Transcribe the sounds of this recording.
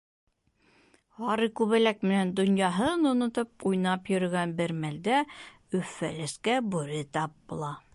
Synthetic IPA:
ɑɾɤkʉβælæk̚mɘ̆nænd̪ŏnjɑɦɤnŏnŏt̪ɤp̚ujnɑpjɵ̆ɾɘ̆ɡænbɘɾmæld̪æ | ɵ̆fːæ̰lɘ̆skæbʉɾɘt̪ɑp̚bulˠɑ

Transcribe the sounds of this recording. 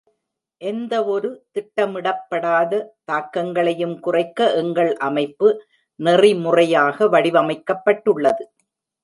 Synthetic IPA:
ʔɛnd̪ɐɔɾɯt̪ɪʈːɐmɪɽɐpːɐɽaːðɐt̪aːkːɐŋɡɐɭɐjɯmkʊrɐɪkːɐʔɛŋɡɐɭʔɐmɐɪpːɯ | nɛrimʊrɐjaːɣɐʋɐɽɪʋɐmɐɪkːɐpːɐʈːɯɭːɐðɯ

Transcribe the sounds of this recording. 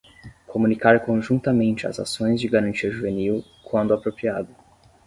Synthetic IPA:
kʰomunikaɾkõʒũnt̪ɐmẽnt͡ʃɪa̰za̰sõj̃zd͡ʒɪɡaɾɐ̃nt͡ʃiɐʒuveniw | kwɐ̃nd̪ʊapɾopɾiad̪ʊ

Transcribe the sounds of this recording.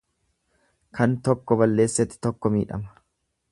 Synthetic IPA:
kʰɐnt̪ɔkːɔbɐlːe̞ːsːɛt̪ːɪ̥t̪ɔkːɔmḭːᶑɐ̰mɐ̥

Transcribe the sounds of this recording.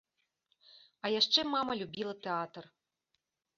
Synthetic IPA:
ɐjaʂt͡ʂɛmamɐlʲubʲilˠɐt̪ɛat̪ɐr

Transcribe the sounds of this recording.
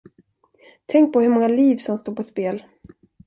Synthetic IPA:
t̪ʰɛŋk̚pʰɔhɵɾmɔŋːaliːvsɔmst̪oːɾpʰɔspeːl

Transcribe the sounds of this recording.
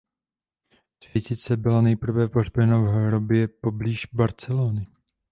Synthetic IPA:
svjɛcɪt͡sɛbɪlanɛjpr̩vɛporbjɛnavɦɾobjɛpo̞bliːʒbaɾt͡sɛloːnɪ

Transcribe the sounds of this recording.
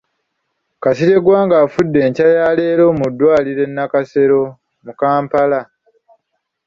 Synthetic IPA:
kasiɾe̞ɡwaːŋɡaːfudːe̞ːɲcajaːle̞ːɾo̞ːmudːwaːliɾe̞nːakase̞ɾo̞ | mukaːmpala

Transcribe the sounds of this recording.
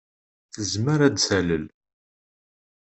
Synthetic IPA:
θəzməɾæd̪sæləl

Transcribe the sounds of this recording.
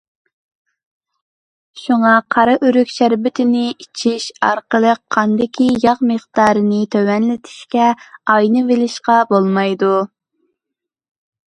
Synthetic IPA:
ʃuŋɑqʰɑɾɑʔyɾykʲʃæɾbɪt̪ʰɪnɪit͡ʃʰiʃɑ̰ɾqəlˠəqʰːɑnd̪ɪkʲʰijɑʁməχd̪ɑːɾɨnɨt̪ʰøwɛnlɪt̪ʰi̥ʃkʲɛɑjnɨvelɪʃqɑbolˠmɑjd̪u

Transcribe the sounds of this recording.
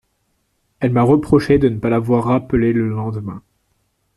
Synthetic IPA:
ɛlmaʁəpχɔʃed̪ənəpalavwaʁːapəleləlɑ̃d̪əmɛ̃

